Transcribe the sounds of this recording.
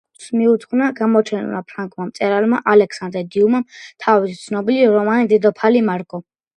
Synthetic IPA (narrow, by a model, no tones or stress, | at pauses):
smiut̪ʰχnaɡamɔt͡ʃʰɛnṵa̰pʰɾaŋkʰʼmamt̪sʼɛɾalmaʔalɛkʰsand̪ɾɛd̪iumamt̪ʰavist̪sʰnɔbiliɾɔmanid̪ɛd̪ɔpʰalimaɾɡʼɔ